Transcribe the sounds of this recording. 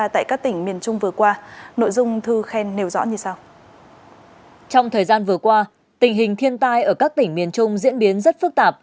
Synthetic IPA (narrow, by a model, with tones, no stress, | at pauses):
a˧t̪a̰ː˧˨jkaː˦˥k̚t̪ï˧˩ŋ̟mi˨˩ənt͡ɕʊ˧ŋ͡mvɨ˨˩əkwaː˧no̰˧˨jzʊ˧ŋ͡mt̪ʰɨ˧xɛ˧nːe˧˩wzɔ̰˧˥ɲɨ˧saː˧w | t͡ɕɔ˧wŋ͡mt̪ʰəː˨˩jzaː˧nvɨ˨˩əkwaː˧ | t̪ï˨˩ŋ̟ɦï˨˩ŋ̟t̪ʰi˧ənt̪aː˧jʔəː˧˩kaː˦˥k̚t̪ï˧˩ŋ̟mi˨˩ənt͡ɕʊ˧ŋ͡mzḭ˧˥ənɓi˨˦ənzə˦˥t̚fɨ˦˥k̚t̪aː˨˩p̚